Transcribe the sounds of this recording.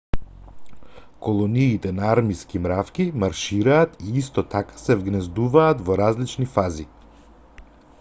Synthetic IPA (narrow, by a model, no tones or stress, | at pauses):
kɔlˠɔniːt̪ɛnaaɾmiskimɾafkʲimaɾʃiɾaːt̪iist̪ɔt̪akḁsɛvɡnɛzd̪uvaːt̪vɔɾazlit͡ʃnifazi